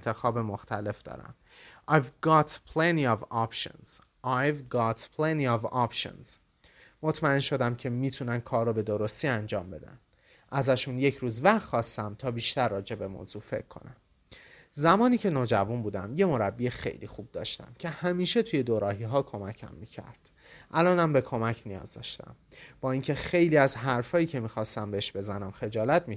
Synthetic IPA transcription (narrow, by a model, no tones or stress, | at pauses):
nt̪ʰexɒːbemoxt̪ʰæle̞fd̪̥ɒ̰ːɾæ̰m | ʔɑjvɡɑːt̪ʰpʰleniɒvɒpʃo̰nz̥ | ʔɑjvɡɑːt̪pʰleniːɒvɒpʃo̰nz̥ | mot̪ʰmæe̞nʃo̞d̪æmcʰe̞miːt̪ʰunænkʰɒːrːobe̞d̪oɾo̞st̪iænd͡ʒɒːmbe̞d̪æ̰n | ʔæzæʃunje̞cʰɾuːzvæd̪xɒːst̪æmt̪ʰɒːbiːʃt̪æɾːɒːd͡ʒe̞be̞mo̰ːzuːfe̞̰cʰːo̞̰næm | zæmɒːniːcʰe̞noːd͡ʒævunbuːd̪æmje̞mo̞ɾæbːiexe̞̰jlḭːxuːb̚d̪ɒ̰ːʃt̪æ̰mcʲʰe̞hæmiːʃe̞t̪ʰuje̞d̪oɾɒːɦiːɦɒːkʰo̞mæcʰæ̰mːiːcʰæ̰ɾd̪̥ | ʔælɒːnæmbe̞kʰo̞mæcʰnijɒ̰ːzd̪ɒ̰ːʃt̪æ̰m | b̥ɒːiːŋcʰe̞xe̞jliːæzɦæɾfɒːjiːcʰe̞miːxɒːst̪æmbeeʃb̥e̞zænæmxe̞d͡ʒɒːlæt̪̚ʰmi